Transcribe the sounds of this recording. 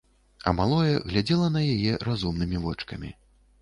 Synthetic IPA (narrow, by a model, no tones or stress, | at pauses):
ɐ̰malˠɔjɛɣlʲad͡zʲɛlˠɐnɐjajɛɾazumnɨmʲivɔt͡ʂkɐmʲḭ